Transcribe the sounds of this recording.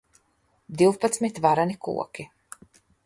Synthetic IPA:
d̪iwpat̪smit̪vaɾanikṵɔkʲi

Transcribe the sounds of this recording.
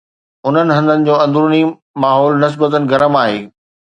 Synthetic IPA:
ʊn̤ənɪ̆ɦɐ̃nd̪ʱənɪ̆d͡ʑoːɐ̃nd̪ʱɾuni | maːɦɔːlnɪs̬bət̪ənɪ̆ɡɐɾəmaːɦeː

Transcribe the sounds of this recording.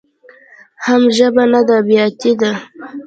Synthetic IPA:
hamʒəbanad̪abijɑt̪id̪a

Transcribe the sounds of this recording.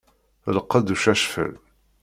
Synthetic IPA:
ləqːəd̪uʃæʃfə̰l

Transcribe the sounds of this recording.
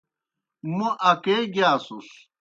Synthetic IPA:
muʔɐkeːɡaːsus

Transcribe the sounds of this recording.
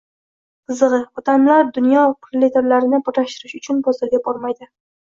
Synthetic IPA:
qʰɨzɨʁɨɒt̪ʰamlaɾd̪ʊnjɒqʰɾlet̪ʰeɾlaɾɪnɪpɪɾlaʃt̪ɪɾɪʃʊt͡ʃʰʊnbɒzɪɾɡʲabɒɾmajd̪ɪ

